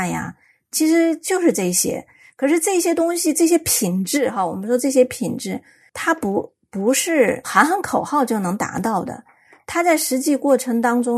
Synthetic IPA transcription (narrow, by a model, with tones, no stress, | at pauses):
ja̰˩ | t͡ɕʰi˧˥ʂɻ̩˧˥t͡ɕjo˥˧ʊʂɻ̩˥˧ʈ͡ʂɤ˥˩i˧˩ɕjɛ̰˥ | kʰɤ˨˩ʂɻ̩˥˧ʈ͡ʂɤ˥˩i˥ɕjɛ˥t̪ʊ˥ŋɕi˨ʈ͡ʂɤ˥˩ɕ̬jɛ˥pʰi˨˩ŋʈ͡ʂɻ̩˥˩xa˧wɔ˨˩mə˦nʂwɔ˥ʈ͡ʂɤ˥˩ɕ̬jɛ˥pʰi˨˩ŋʈ͡ʂɻ̩˥˩ | t̪ʰa˥pu˧˥ | pu˧˥ʂɻ̩˥˩xa˧˥ɪxə˧˥nkʰo˨˩ʊxɑ˥˧ʊt͡ɕjo˥˩ʊnɤ˧˥ŋt̪a̰˧˥t̪ɑ˥˩ʊd̪ə̰˩ | t̪ʰa˥t͡sa˥˩ɪʂɻ̩˧˥t͡ɕi˥˧kwɔ˥˩ʈ͡ʂʰɤ˧˥ŋt̪ɑ˥ŋʈ͡ʂʊ˥ŋ